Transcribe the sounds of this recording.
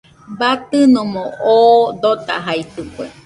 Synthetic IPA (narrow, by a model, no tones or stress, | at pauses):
bat̪ɨnõmõʔod̪ot̪a̰ɦait̪ɨkwe